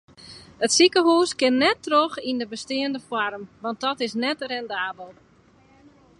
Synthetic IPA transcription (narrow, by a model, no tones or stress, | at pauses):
ətsikəɦuːskɪnːɛtːroxindəbəstɪːəndəfwarmʋɑnt̚dɔtɪsnɛtrɛndaːbəlˠ